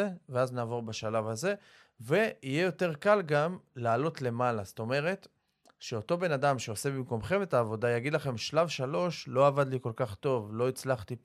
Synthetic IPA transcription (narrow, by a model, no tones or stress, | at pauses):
eveaznaːvo̞ʁbeʃalavhaze̞ | ve̞ijejo̞te̞ʁkalɡamlaːlo̞tle̞malast̪o̞me̞ʁe̞t̪ | ʃe̞o̞to̞be̞nadamʃe̞o̞se̞bimko̞mχe̞metaːvo̞dajaɡid̪laχe̞mʃlavʃalo̞ʃlo̞avad̪liko̞lkaχt̪o̞vlo̞it͡slaχt̪i